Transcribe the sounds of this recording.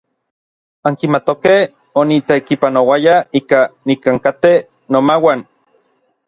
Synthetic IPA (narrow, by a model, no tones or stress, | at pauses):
aŋkimat̪okeh | onit̪ekipanowajaiːkanikaŋkat̪e | nomawan